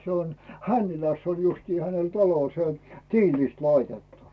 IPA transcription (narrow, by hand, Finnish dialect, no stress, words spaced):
se on hænːilæsː on justiː hænel tɑlo se on tiːliˑst lɑitetːu